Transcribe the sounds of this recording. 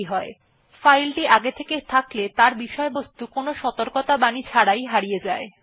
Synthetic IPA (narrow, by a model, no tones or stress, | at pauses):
iɦɔe | fajlʈiʔaɡet̪ʰeket̪ʰaklet̪aɾbiʃɔebost̪ukonoʃɔt̪oɾkot̪abanit͡ɕʰaɽajɦaɾijed͡ʑae